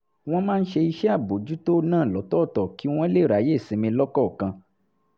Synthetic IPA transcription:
w̃ɔ̃˦mãː˦n̩˦ʃe˧i˧ʃɛ˦a˦˨bo˨d͡ʒu˨˦to˦nãː˦˨lɔ˨˦tɔ˦˨tɔ˨ki˨˦w̃ɔ̃˦e˦le˦˨ɾa˨˦je˦˨sĩ˨˧mĩ˧lɔ˦kɔ˦˨kã˧

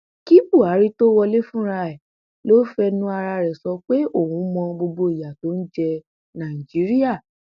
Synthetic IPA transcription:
ki˦bu˦˨a˨˦ɾi˦to˦wɔ˧le˦fũ˦ɾa˧ɛ˨ | lo˦fɛ˦nũ˦a˧ɾa˧ɾɛ˨sɔ˧k͡pe˦o˦˨hũ˨˦mɔ̃˧ɡ͡bo˧ɡ͡bo˧i˨ja˨to˨˦n̩˦d͡ʒɛ˧ | nã˨i˨d͡ʒi˨˦ɾi˦ja˦˨

